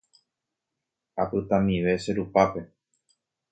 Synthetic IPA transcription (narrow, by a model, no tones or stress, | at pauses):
apɨt̪ãmĩʋe̞ʃe̞ɾupape̞